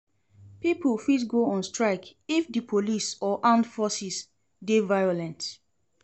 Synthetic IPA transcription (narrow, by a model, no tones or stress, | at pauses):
pipəlfidɡoɔ̃nstɹaɪkifdipʰolisɔʔãndfɔsis | devajolɛ̃nt